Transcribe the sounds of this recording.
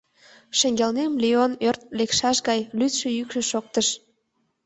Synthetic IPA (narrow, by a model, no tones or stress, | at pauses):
ʃəŋɡʲelnemlionørt̪̚lekʃɑʃɡɑjlyt̪ʃøjykʃĕʃok̚t̪əʃ